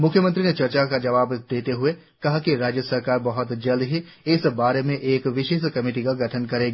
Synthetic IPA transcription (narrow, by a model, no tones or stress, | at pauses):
mʊkʰjəmə̃nt̪ɾinet͡ʃɐɾt͡ʃakad͡ʒɐʋaːbd̪eːt̪eɦʊe | kɐɦakiɾaːd͡ʒjəsɐɾkaːɾbɐɦʊt̪d͡ʒɐld̪ɦi | ɪsbaːɾemẽʔeːkʋɪʃeːʃkɐmɪːʈikaɡɐʈʰənkɐɾeːɡaː